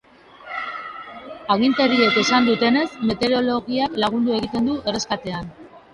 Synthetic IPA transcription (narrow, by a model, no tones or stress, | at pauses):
aɣ̞int̪e̞ɾie̞ke̞sand̪ut̪e̞ne̞zme̞t̪e̞ɾo̞lo̞ɣiaklaɣ̞und̪ue̞ɣit̪e̞nd̪ue̞re̞skat̪e̞an